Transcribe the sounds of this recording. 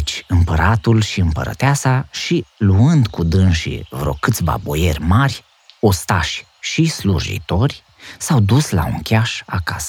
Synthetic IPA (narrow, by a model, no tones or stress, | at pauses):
t͡ʃʲɨmpəɾat̪ulʃiɨmpə̰ɾə̰t̪easaʃiluɨnd̪kud̪ɨnʃḭvɾo̞̰kɨt̪sʲba̰bo̞je̞rʲmarʲ | o̞st̪a̰ʃʲ | ʃislṵʒḭt̪o̞rʲ | sawd̪usla̰ṵŋkʲaʃakasə̥